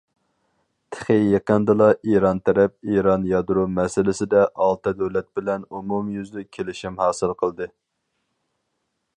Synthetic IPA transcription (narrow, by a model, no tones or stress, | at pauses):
t̪ʰɪ̥χejeqənd̪ɨlˠɑʔiɾɑnt̪ʰɛɾɛp̚iɾɑnjɑd̪ɾumɛsɪlɪsɪd̪ɛʔɑlˠt̪ɛd̪øwlɛt̪̚bɪlɛnumumjyzd̪ɪkʲʰelɪʃɪmhɑːsɨlˠqʰəlˠd̪ɨ